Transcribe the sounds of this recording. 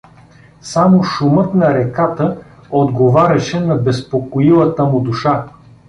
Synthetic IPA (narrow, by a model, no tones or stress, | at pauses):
samoʃumɤt̪nɐɾɛkat̪ə | od̪ɡovaɾʲɐʃɛnɐbɛspokoilˠət̪əmʊd̪uʃa